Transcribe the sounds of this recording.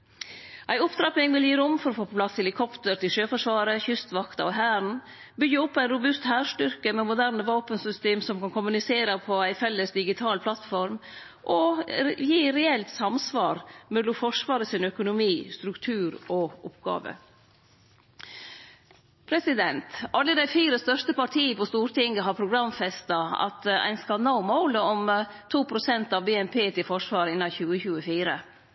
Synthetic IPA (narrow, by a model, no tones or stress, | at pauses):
ʔæɪʊpd̪ɾɑpnɪŋʋɪljiːɾʊmfɔɾɔfoːpɔpʰlɑsʰɛlɪkʰɔpt̪əɾt̪ɪlʃøːfɔʂʋɑːɾəçʏst̪ʋɑkt̪ɑɔɦæːɾn̩ | bʏɡːəɔpʰːæɪnɾʊbʉst̪hæːɾʂʈʏɾkəmɛmʊd̪æɾnəʋɑːpənsʏst̪eːmsɔmkɑnkʰʊmʉnɪseːɾəpʰɔæɪfɛlːəsd̪ɪɡɪt̪ʰɑːlpʰlɑt̪fɔɾm | ʔɔjiːɾɛɛlt̪sɑmsʋɑːɾmɛlːʊmfɔʂʋɑːɾəsɪnœkʊnʊmiːst̪ɾʉkt̪ʰʉːɾɔʔɔpɡɑ̰ːʋə̰ | pʰɾɛsɪd̪ɛnt̪ʔɑlːəd̪æɪfiːɾəst̪œʂt̪əpɑʈʰiːəpɔst̪uːɾʈɪŋɡəɦɑɾpʰɾʊɡɾɑmfɛst̪ɑɑ̰t̪æ̰ɪnskɑnɑʊmɔʊləɔmt̪ʰuːpʰɾʊsɛnt̪ɑʋbeːɛnpʰeːt̪ʰɪlfɔʂʋɑːɾɪnɑçʉːəçʉːəfiːɾə